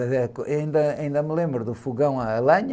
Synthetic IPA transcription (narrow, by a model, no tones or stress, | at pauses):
ɐɛkĩnd̪ɐĩnd̪ɐmlˠẽmbɾuðufuɣɐ̃w̃alˠɐɲ